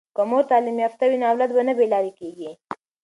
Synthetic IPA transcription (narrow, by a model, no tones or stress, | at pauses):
kəmoɾt̪ɑlimjɑft̪awinawlad̪̚banabelɑɾikeɡi